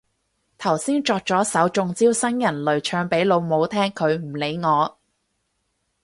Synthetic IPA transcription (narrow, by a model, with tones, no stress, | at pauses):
t̪ʰɐ˨˩wsiː˥nt͡ʃɔː˧k̚t͡sɔː˨˥sɐ˨˥wt͡ʃʊ˨˧ŋt͡siː˥wsɐ˥njɐ˨˩nlɵ˨ɥt͡ʃʰœː˧ŋpe˨˥jlo˨˧wmo˨˧wt̪ʰɛː˥ŋkʰɵ˨˧ɥm̩˨˩le˨˧˥jŋɔː˨˧